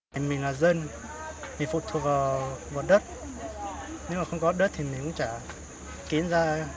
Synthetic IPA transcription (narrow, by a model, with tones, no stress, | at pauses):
a˨˩mï˨˩ŋ̟laː˨˩zə˧n | mï˨˩ŋ̟fṵ˨˩t̪ʰu˨˩ək̚vaː˨˩wvaː˨˩ɗə˦˥t̚ | nɨ˧˦ŋ͡mmaː˨˩xə˧wŋ͡mkɔ˨˦˥ɗə˦˥t̚t̪ʰi˨˩mi˨˩ŋkʊ̰˧˥ŋ͡mt͡ɕaː˧˩ | ki˨˦ənzaː˧